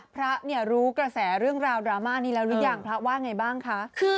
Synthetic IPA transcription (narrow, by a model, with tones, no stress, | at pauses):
pʰɾa˦˥ʔni˥˩əɾuː˦˥kɾa˧sɛː˩˦ɾɯ˥˩əŋɾaː˧wdɾaː˧˦maː˥˩niː˦˥˩lɛː˦˥wlɯ˦˥jaː˧˩ŋpʰɾa˦˥waː˥˩nŋa˧jbaː˥˩ŋkʰa˦˥kʰɯː˧